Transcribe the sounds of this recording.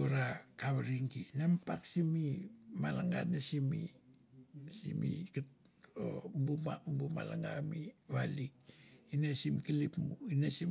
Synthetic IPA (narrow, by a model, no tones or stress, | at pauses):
oɾakaβɾiŋkinampaksimimalaŋa̰nasimi | simḭk | obumambuma̰laŋamiβaliinasimkilipmuinasi